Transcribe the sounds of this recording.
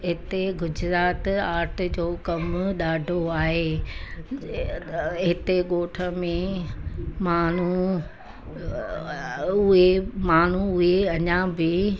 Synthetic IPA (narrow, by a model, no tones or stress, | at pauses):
ɦɪt̪eɡʊd͡ʑɾaːt̪aːɾʈd͡ʑoːkɐmɗaːɖʱoaːɦeː | ɦɪt̪eɠoːʈʰə̆mẽ | maːn̤u | ʊɦemaːn̤uʊɦeɐɲãbɪ